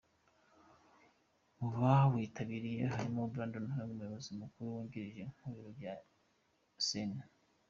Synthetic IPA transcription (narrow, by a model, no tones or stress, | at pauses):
uβawiːtʰaβiɾijeɦaɾimobɾaːndonhueŋɡumujo̞βo̞zimukuɾuwuːɲɡiɾiʒem̥huβiɾoɾɟa | sena